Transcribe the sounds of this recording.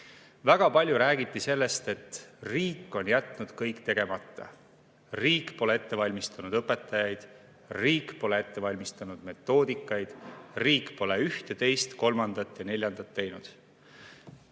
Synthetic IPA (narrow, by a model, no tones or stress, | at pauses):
væɡ̥ɑpɑlʲjuɾæːɡ̥it̪ˑːise̞lːe̞st̪e̞t̪riːkːˑo̞njæt̪ˑːnud̪̥kɤjkːˑt̪e̞ɡ̥e̞mɑt̪ˑːɑ̰ | riːkːˑpo̞lee̞t̪ːe̞vɑlʲmist̪ɑnud̪ɤpːˑe̞t̪ːˑɑjɑjd̪̥ | riːkˑpo̞le̞e̞t̪ːe̞vɑlʲmist̪ɑnud̪̥me̞t̪ːˑo̞ːd̪̥ikːˑɑjd̪̥riːkːpo̞le̞yht̪e̞t̪e̞jst̪ko̞lmɑnd̪̥ɑt̪ːˑjɑne̞lʲjɑnd̪̥ɑt̪ːe̞jnud̪̥